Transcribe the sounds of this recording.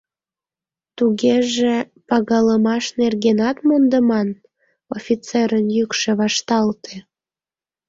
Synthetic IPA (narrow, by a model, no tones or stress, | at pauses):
t̪uɣeʒe | pɑɣɑləmɑʃnerɣenɑt̪mond̪əmɑn | ofʲit͡seɾənjykʃeβɑʃt̪ɑlt̪e